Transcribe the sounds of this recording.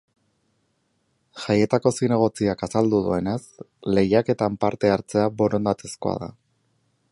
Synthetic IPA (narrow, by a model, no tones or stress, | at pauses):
ʝaje̞t̪ako̞sine̞ɣ̞o̞t͡siakasald̪uð̞ue̞ne̞s | le̞jake̞t̪ampaɾt̪e̞aɾt͡se̞aβo̞ɾo̞nd̪at̪e̞sko̞a̰ða̰